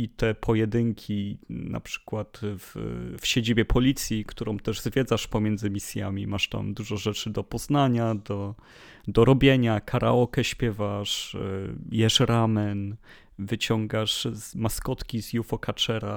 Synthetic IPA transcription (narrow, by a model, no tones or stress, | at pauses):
it̪ɛpʰɔjɛd̪ɘŋkʲʰina̰pʂɘ̥kwat̪vfɕed͡ʑibʲjɛpʰɔlʲit̪sʲjikt̪uɾɔ̃w̃t̪ɛʐzvʲjɛd̪zaʂpɔmʲjɛnd̪zɘmʲisʲja̰mʲimaʂt̪a̰md̪uʐɔʐɛt͡ʂɘd̪ɔpɔznaɲad̪ɔ | d̪ɔɾɔbʲjeɲakʰaɾʔa̰ɔkɛɕpʲjɛvaʂ | jɛʂɾamɛn | vɘt͡ɕɔŋɡaʂzmaskɔt̪kʲizjufɔkat͡ʂɛɾa̰